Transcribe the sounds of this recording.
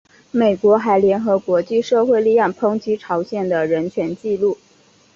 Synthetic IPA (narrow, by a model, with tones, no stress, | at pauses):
me˨˩ɪkwɔ˧˥xa˧˥ɪljɛ˧˥nxɤ˧˥kwɔ˧˥t͡ɕi˥˧ʂɤ˥˧xwe˥˧ɪli˥˧jɑ˥˩ŋpʰɤ˥ŋt͡ɕʰi˥ʈ͡ʂʰɑ˧˥ʊɕjɛ˨˩nd̪ə˩ɻə˧˥nt͡ɕʰɥɛ˧˥nt͡ɕi˥˧lu˥˩